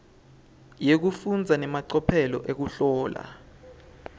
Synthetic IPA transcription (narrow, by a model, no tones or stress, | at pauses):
jek̬ufund͡zʱanɛmaǀɔpʰɛlɔ̰ʔek̬uɬɔːla̰